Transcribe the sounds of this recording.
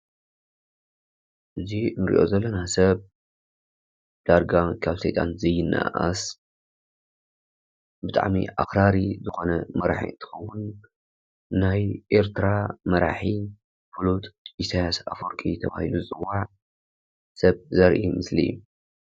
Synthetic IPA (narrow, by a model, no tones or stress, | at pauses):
ʔɨzinɨɾḭʔo̞̰zɐlːɐnasɐβ | d̪̥aɾɡakʰaβsɐjt̪ʼanzɐjːɪnːa̰ʔa̰s | bɨt̪ʼa̰ʕmḭʔa̰xɾaɾizɨxo̞nɐmɐɾa̰ħḭɨnt̪ʰɨ̥xɐwːʊn | ajʔe̞ɾt̪ʰɾamɐɾa̰ħi | fulut̪ʼjɪsʰajasa̰foɾkʼit̪ʰɐβa̰hiluzɨt͡sʼɨwːaʕ | sɐβzɐɾʔimɨslḭ